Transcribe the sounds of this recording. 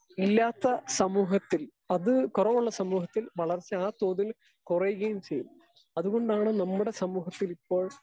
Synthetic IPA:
ilːaːt̪ːɐsɐmuːɦɐt̪ːil | ɐðɨkurɐʋuɭːɐsɐmuːɦɐt̪ːilʋɐɭɐrt͡ɕːɨaːt̪o̞ːðil | kurɐjuɣɐjumt͡ɕe̞jːumː | ɐðuɣo̞ɳɖaːɳɨnɐmːuɽe̞sɐmuːɦɐt̪ːilipːo̞ːɭ

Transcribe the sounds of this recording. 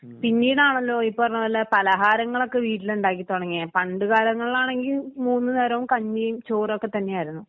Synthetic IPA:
pinːiːɽaːɳɐlːo̞ːipːoɐrɐɲːɐʋɐlːepɐlɐɦaːɾɐŋːɐɭo̞kːe̞ʋiːʈːiluɳɖaːk̬ːit̪o̞ɽɐŋːipɐɳɖɨɣaːlɐŋːɐɭilaːɳe̞ŋɡilmuːnːɨneːɾɐʋumkɐɲːijumt͡ɕoːrokːe̞t̪ɐnːe̞jaːjiɾunːu

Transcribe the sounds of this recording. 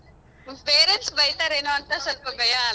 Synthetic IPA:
peːɾensbɐjt̪aːɾeːnoɐnt̪asɐlpɐɡɐja

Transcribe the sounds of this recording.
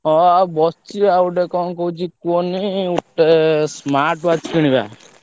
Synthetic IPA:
ɔabɔst͡ʃibauɖekɔnkɔut͡ʃikoniuʈːesmaːɾʈʋat͡ʃkiɽ̃iba̰

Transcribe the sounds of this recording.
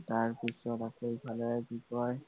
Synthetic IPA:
taɹpisɔtasejpʰalɔɛkikɔj

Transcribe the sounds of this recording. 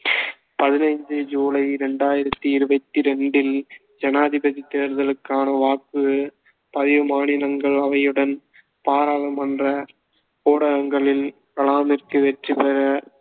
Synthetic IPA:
pɐðɪnɐɪɲd͡ʒɯd͡ʒuːlɐɪɾɛɳɖaːjɪɾɐt̪ːɯɪɾɯʋɐt̪ːiɾɛɳɖɪl | d͡ʒɐnaːðɪbɐðit̪ːeːɾðɐlɯkːaːnɐʋaːkːɯ | pɐðɪʋɯmaːnɪlɐŋɡɐɭɐʋɐjɯɽɐn | paːɾaːlɐmɐndrɐ | poːɽɐɣɐŋɡɐɭɪl | kɐɭaːmɪɾk̪ɯʋɛʈripɛɾɐ

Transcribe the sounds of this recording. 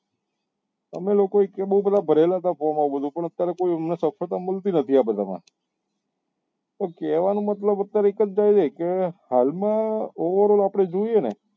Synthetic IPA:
ə̰melokoekebəɦubəd̪ʱabʱəɾelat̪afomaʋubəd̪ʱũpəɳ̃ət̪ːjaɾekoiəmnesəfʰət̪aməlt̪inət̪ʰiabəd̪ʱamã̰ | t̪okeʋanũmət̪ləbət̪ːjaɾeekət͡ʃd͡ʒajd͡ʒ̪ekehalmãɔʋəɾolapɽ̃ed͡ʒoienḛ

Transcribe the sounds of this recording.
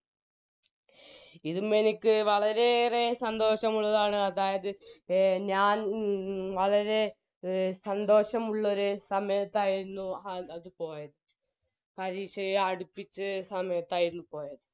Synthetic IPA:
iðumenikʲːɨʋɐɭɐɾe̞resɐnd̪o̞ːɕɐmuɭːɐðaːɳɨɐðaːjɐðɨ | ɲaːn | ʋɐɭɐɾe̞ | sɐnd̪o̞ːɕɐmuɭːɐoɾusɐmɐjɐt̪ːaːjiɾunːuɐɐðɨpo̞ːjɐðɨ | pɐɾiːɕɐjɐɽupːit͡ɕːɨsɐmɐjɐt̪ːaːjiɾunːupo̞ːjɐðɨ

